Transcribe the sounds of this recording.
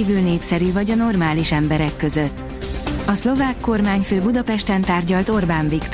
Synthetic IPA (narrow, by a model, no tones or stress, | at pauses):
iːvylneːpsɛɾyvɒɟɒno̞rmaːliʃɛmbɛɾɛkːø̞zøt̪ː | ɒslo̞vaːkːo̞rmaːɲføːbud̪ɒpɛʃt̪ɛnt̪aːrɟɒlt̪o̞rbaːɱvikt̪